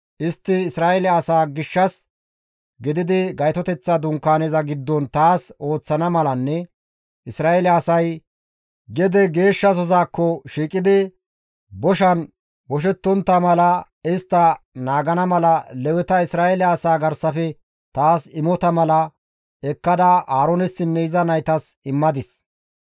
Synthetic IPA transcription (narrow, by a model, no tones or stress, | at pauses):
ʔɪst̪ːɪːsɾaːɛlɪɐsaːɡɪʃːɐs | ɡɪd̪ɪd̪ɪɡɐjt̪ɔt̪ɛt͡sːɐd̪ʊŋkːaːnezɐɡɪd̪ːɔnt̪aːso̞ːt͡sːɐnɐmɐlɐnːɛ | ʔɪsɾaːɛlɐːsɐj | ɡɛd̪ɛɡe̞ːʃːɐs̬ɔzaːkːɔʃiːkʼɪd̪ɪ | bɔʃɐn | wɔʃ̬ɛt̪ːɔnt̪ːɐmɐlɐ | ɪst̪ːɐnaːɡɐnɐmɐlɐlɛwɛt̪ɐɪsɾaːelɪɐsaːɡɐɾsɐfɛ | t̪aːsɪmɔt̪ɐmɐlɐ | ɛkːɐd̪ɐaːɾonɛsːɪmɛjzɐnɐjt̪ɐsɪmːɐd̪ɪs